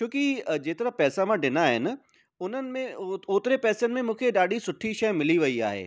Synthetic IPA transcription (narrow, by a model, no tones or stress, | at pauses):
t͡ɕjõːkid͡ʑeːt̪ɐɾəɦpɛːsamãɖɪnaɦɪnɪ̆ | ʊn̤ənɪ̆mẽoːt̪ɪɾepɛːsənɪ̆mẽmũːkʰeɗaːɗisʊʈʰiʃɐjmɪliʋɐia̰ːɦḛː